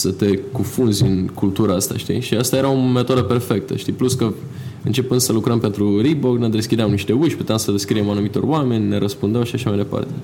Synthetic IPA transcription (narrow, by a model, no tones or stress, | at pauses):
sət̪e̞kufunzʲɨnkult̪uɾaast̪a̰ʃt̪ḭʃiast̪aje̞ɾaomet̪o̞d̪əpe̞rfe̞k̚t̪ə̰ʃt̪ipluskə | ɨ̰nt͡ʃe̞pɨnd̪səlukɾəmpe̞nt̪ɾuɾiboɡned̪e̞skʲid̪eamniʃt̪e̞uʃʲput̪eamsəd̪eskɾiemanumit̪o̞̰ɾoame̞nʲne̞ɾəspund̪eawʃiaʃamajd̪e̞pa̰rt̪e̞